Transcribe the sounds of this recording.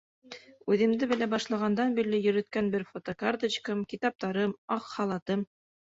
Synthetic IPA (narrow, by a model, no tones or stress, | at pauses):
ʉðɘ̆md̪ɘbɘ̆læbɑʃlˠɑʁɑnd̪ɑnbiɾlɘjɵ̆ɾɵ̆t̪kænbɘɾfot̪okart̪ə̆t͡ɕkɤmkit̪ɑp̚t̪ɑɾɤmɑqhɑlˠɑt̪ɤm